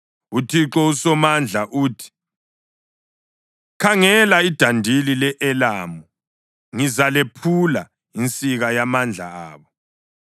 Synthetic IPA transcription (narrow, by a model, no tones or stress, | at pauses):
utʰiǁɔusɔmand͡ɮʱaʔuːtʰi̥ | kʰaŋɛlaid̥ʱandʱililɛʔɛlaːmɔ | ŋizalepʰula | int͡sʼiɣajamand͡ɮʱa̰aːβɔ